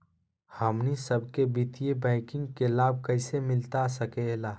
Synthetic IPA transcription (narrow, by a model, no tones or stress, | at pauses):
hɐmnisəb̚kebit̪ijebɛ̃ɪkɪ̃ŋɡkelaːb̚kɐɪsemɪlt̪asɐkelaː